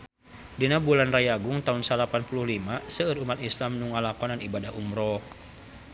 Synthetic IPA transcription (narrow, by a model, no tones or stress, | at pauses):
dinabulanrajaɡuŋt̪aunsalapanpuluhlimasəːrumat̪islamnuŋalakɔnanibadahumɾɔk